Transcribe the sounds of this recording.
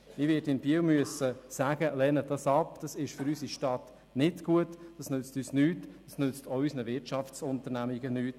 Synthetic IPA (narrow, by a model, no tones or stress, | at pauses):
ɪʋɪdɪnb̥iəwmyəsəsæɡ̥əlɛːnədɑsɑpd̥ɑsɪʃfʏɾysiʃtɑt | nɪtɡ̥uətd̥ɑsnøt͡styːsnyːtdɑsnʏt͡stoysnəvɪrt͡ʃɑft͡sʊntəɾnæmiɡənyːt